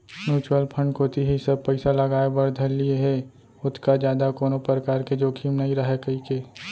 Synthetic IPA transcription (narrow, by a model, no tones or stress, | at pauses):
njuːt͡ʃwəlpʰə̃ɳɖkʰoːt̪iɦisɐb̚pɛɪsalɐɡaːebɐɾd̪ʱəlieɦɛ | ʊt̪ʰkad͡ʒjaːd̪akoːnopɾəkaːɾked͡ʒoːkʰiːmnaiɾɐɦekɐikeː